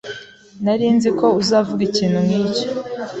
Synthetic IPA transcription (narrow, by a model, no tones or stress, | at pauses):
naɾiːnziko̞uzaːvuɡiciːn̥humŋiːco̥